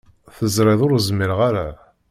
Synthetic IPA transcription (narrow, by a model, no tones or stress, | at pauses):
θəzɾɪðˤʊɾzmɪɾʁaɾa